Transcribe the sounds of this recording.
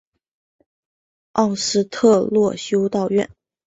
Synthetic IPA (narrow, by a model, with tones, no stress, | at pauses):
ɑ˥˩ʊʂɻ̩˥t̪ʰɤ˥˧lwɔ˥˧ɕjo˥ʊt̪ɑ˥˧ʊɥɛ̰˥˩n